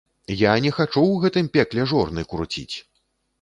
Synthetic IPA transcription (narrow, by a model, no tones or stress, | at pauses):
janʲɛxat͡ʂuɣɛt̪ɨmpʲɛklʲɛʐɔrnɨjkɾut͡sʲḭt͡sʲ